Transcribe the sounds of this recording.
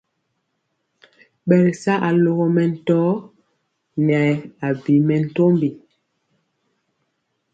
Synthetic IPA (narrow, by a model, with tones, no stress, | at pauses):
ɓɛ˨lsa˦ʔa˨lo˦ɣɔ˦mɛ˨n̩˨tɔː˦ | nɛ˨a˨bi˨˦mɛ˨n̩˨to˦mbi˨